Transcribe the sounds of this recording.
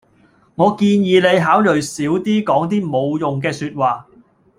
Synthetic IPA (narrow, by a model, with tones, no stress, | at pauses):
ŋɔː˨˧kiː˧njiː˨˧le˨˧jɦaː˨˥wlɵ˨ɥsiː˨˥wt̪iː˥kɔː˨˥ŋt̪̬iː˥mo˨˧wjʊ˨ŋk̬ɛː˧syː˧t̚waː˨˩